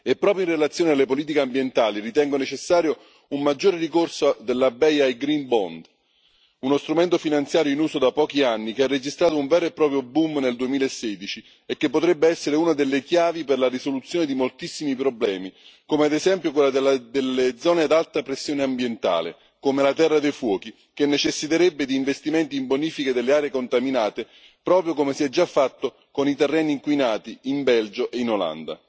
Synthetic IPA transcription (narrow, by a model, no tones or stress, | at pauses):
epːɾɔːpɾjoinrelat̪sːjoːnealːepoliːt̪ikeambjent̪aːlirit̪ɛŋɡonet͡ʃesːaːɾjo | ummad͡ʒːoːɾerikorsod̪elːabɛjajɡɾinbɔ̰nd̪ | unost̪ɾument̪ofinant̪sjaːɾjoinuːsod̪apːɔːkianːikeɛrːed͡ʒist̪ɾaːt̪̬ouɱvɛːɾoepːɾɔːpɾjobumneld̪uemiːlaesːɛːd̪it͡ʃi | ekːepːot̪ɾɛbːeɛsːeɾeunad̪elːekjaːviperlarisolut̪sjoːned̪imolt̪isːimipɾoblɛːmikomead̪ezɛmpjokwelːad̪elːad̪elːed̪zɔːned̪alt̪apɾesːjoːneambjent̪a̰ːlḛ | koːmelat̪ɛrːad̪ejfwɔːk̟i | k̟enːet͡ʃɛsːit̪eɾɛbːed̪iːɱvest̪imɛnt̪iːmboniːfiked̪elːeaːɾeekont̪aminaːt̪e | pɾɔːpɾjokomesiɛd͡ʒːafːat̪ːo | konit̪ɛrːɛːniːŋkwinaːt̪iimbɛld͡ʒoʔeinola̰nd̪a̰